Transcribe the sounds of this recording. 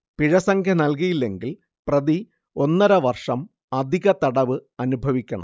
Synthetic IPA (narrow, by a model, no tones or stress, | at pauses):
piɻɐsɐŋkʰjɐnɐlk̬ijilːe̞ŋɡil | prɐði | o̞nːɐɾɐʋɐrʂɐm | ɐd̪ʱiɣɐt̪ɐɽɐʋɨɐnubʱɐʋikʲːɐɳɐ̰m